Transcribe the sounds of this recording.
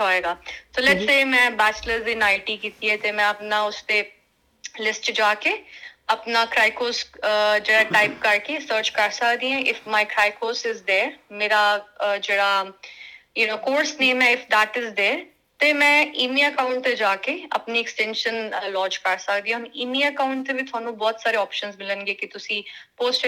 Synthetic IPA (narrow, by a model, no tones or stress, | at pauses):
aːeːɡaːt̪oːlɛʈseːmɛ̃ːbɛːt͡ʃləɾd̪ɪnaːɪʈikiːt̪iɦɛt̪emɛ̃ɐpnaʊste | lɪsʈt͡ʃd͡ʒaːkeɐpnakɾaːɪkoːsd͡ʒeːɽaʈaːɪp̚kɐɾkesəːɾt͡ʃkɐɾsɐkd̪ĩɦɛ̃ʔɪfmaːɪkɾaːɪkoːsɪzd̪eːɾmeːɾad͡ʒeːɽaː | jʊnoːkoːɾsnẽːmɛ̃ɪfʰd̪aːʈɪzd̪eː | t̪emɛ̃ːʔiːmiəkaːʊ̃ɳʈt̪ed͡ʒaːkeɐ̰pniɛksʈɛ̃ːnʃənlɔ̃ːt͡ʃkəɾsəkd̪ĩɛ̃ɦʊniːmiːəkaːʊ̃ɳʈ̚t̪ebit̪ʊaːnũːbɔːt̪saːɾeɔːpʃənzmɪlənɡeːkit̪ʊsĩːpoːsʈ